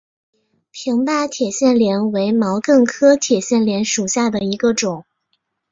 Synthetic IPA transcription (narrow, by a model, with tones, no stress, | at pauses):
pʰi˧˥ŋp̪a˥˩t̪ʰjɛ˨˩ɕjɛ˥˩nljɛ˧˥nwe˧˥ɪmɑ˧˥ʊkɤ˥˩ŋkʰɤ˥t̪ʰjɛ˨˩ɕjɛ˥˩nljɛ˧˥nʂu˨˩ɕja˥˩d̪ə˩i˧˥ɡə˧ʈ͡ʂʊ˨˩˦ŋ